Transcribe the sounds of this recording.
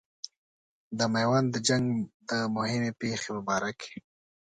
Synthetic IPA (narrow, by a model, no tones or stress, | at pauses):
d̪əmajwand̪əd͡ʒaŋɡd̪əmʊhɪmepexeməbɑɾakʰe̥